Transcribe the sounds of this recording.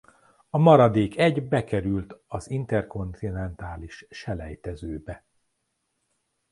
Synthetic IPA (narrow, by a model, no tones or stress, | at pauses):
ɒmɒɾɒd̪eːkʰɛɟbɛkɛɾylt̪ɒzint̪ɛrko̞nt̪inɛnt̪aːliʃːɛlɛ̰jt̪ɛzøːbɛ